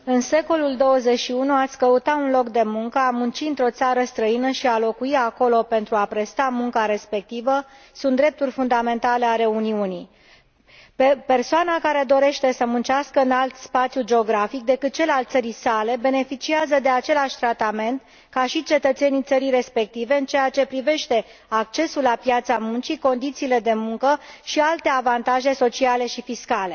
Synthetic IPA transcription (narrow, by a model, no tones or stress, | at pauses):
ɨnse̞ko̞luld̪o̞wəze̞ʃiunuat̪sʲkəut̪aunlo̞kd̪e̞muŋkəamunt͡ʃiɨnt̪ɾo̞t̪saɾəst̪ɾəinəʃialo̞kuiako̞lo̞pe̞nt̪ɾuapɾe̞st̪amuŋkaɾe̞spe̞k̚t̪ivə | sunt̪d̪ɾe̞p̚t̪urʲfund̪ame̞nt̪ale̞aɾe̞uniunij | pe̞rsoanakaɾe̞d̪o̞ɾe̞ʃt̪e̞səmunt͡ʃaskəɨnalt̪spat̪sjud͡ʒe̞o̞ɡɾafik̚d̪e̞kɨt̪̚t͡ʃe̞lalt̪səɾisale̞be̞ne̞fit͡ʃiazəd̪e̞at͡ʃe̞laʃʲt̪ɾat̪ame̞nt̪ | kaʃit͡ʃe̞t̪ət̪se̞nijt̪səɾijɾe̞spe̞k̚t̪ive̞ɨnt͡ʃe̞jat͡ʃe̞pɾive̞ʃt̪e̞ | akt͡ʃe̞sulːapjat̪samunt͡ʃiko̞nd̪it̪siːle̞d̪e̞muŋkəʃialt̪e̞avant̪aʒe̞so̞t͡ʃiale̞ʃifiskale̞